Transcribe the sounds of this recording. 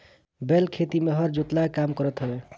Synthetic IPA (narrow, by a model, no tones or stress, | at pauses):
belkʰet̪imeɦʌɾd͡ʒot̪lakamkəɾət̪ɦəbe